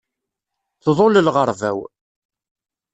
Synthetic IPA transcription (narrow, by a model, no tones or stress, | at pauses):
θðˤoləlʁəɾˤvæ̰w